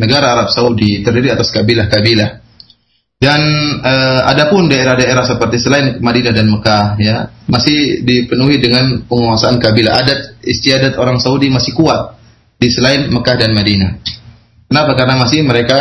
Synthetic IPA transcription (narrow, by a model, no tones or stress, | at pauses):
nəɡaɾaːɾap̚saudit̪ərdiɾiat̪askabilahkabilah | danəa̰dapʊndaeɾahdaeɾahsəpərt̪isəlaɪnmadinadanməkahjamasɪhdipənuɦidəŋanpəŋəwasaankabila̰ʔa̰dat̪̚ist̪iadat̪oɾaŋsaudimasɪhkuat̪̚ | disəlaɪnməkahdanmadina | kənapakarnamasɪhməɾeka